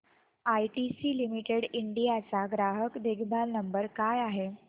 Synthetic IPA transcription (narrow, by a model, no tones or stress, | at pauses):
ajʈisiːlimiʈeɽiɳɖijat͡saɡɾaɦəkd̪eɡʰʱbʱalnəmbəɾkajaɦe